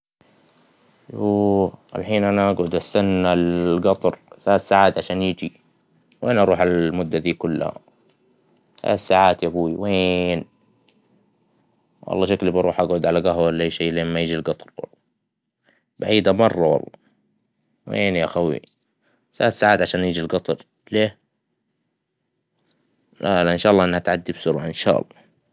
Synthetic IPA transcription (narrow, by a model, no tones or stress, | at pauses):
juːa̰lħiːnʔanaʔaɡʕʊd̪ʔast̪anːalɡɑt̪ˤɑɾθaːt̪saːʕaːt̪ʕaʃaːnjid͡ʒi | weːnʔɑɾuːħalmʊd̪ːaðiːkʊlːha̰ | θa̰ʔa̰t̪saːʕaːt̪jabuːiweːn | wʔɑ̰lˤːɑʃaklibɑɾˤuːħʔaɡʕʊd̪ʕalaɡaɦwlːajʃajːleːmmajiːd͡ʒilɡɑt̪ˤɑɾwɑ̰lˤːɑ | baʕiːd̪amɑrˤːɑwɑ̰lˤːɑ | weːnjaxawḭ | θalaθsaːʕaːt̪ʕaʃaːnjiːd͡ʒilɡɑt̪ˤɑɾ | leː | lalaʔɪnʃaːʔɑlːɑʔɪnːhat̪ʕad̪ːibsʊɾaɪnʃa̰ːʔɑ̰lˤːɑ